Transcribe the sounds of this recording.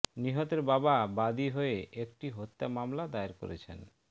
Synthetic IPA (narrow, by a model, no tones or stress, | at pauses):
niɦot̪eɾbababad̪iɦoeʔekʈiɦot̪ːamamlad̪aeɾko̰ɾḛt͡ɕʰḛn